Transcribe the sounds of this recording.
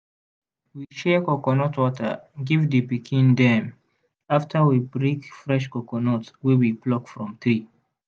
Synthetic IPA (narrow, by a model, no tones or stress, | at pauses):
wiʃɛkɔkɔnɔtwɔtə̰ɡivdəpikʰĩndɛ̃m | aftʰəwibɹekfɹɛʃkɔkɔnɔtwiwiplɔkfɹɔ̃mθɹi